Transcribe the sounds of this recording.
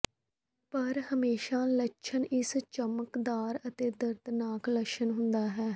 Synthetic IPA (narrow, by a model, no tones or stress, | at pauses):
pəɾhəmeːʃaːləʃʰənɪst͡ʃəməkd̪aːɾət̪eːd̪əɾd̪naːkləʃənɦʊnd̪aːɦɛː